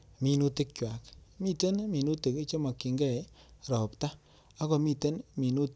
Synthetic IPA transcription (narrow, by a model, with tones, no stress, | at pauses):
mi˧nu˦te˦k̚t͡ʃwa˨kmi˦te˦nmi˨nu˦ti˨ke˦t͡ʃo˦ma˨kːi˨ŋɡɛ˦˨ɾɔ˨pta˦ | a˦ko˨mi˦te˦nmi˨nu˦t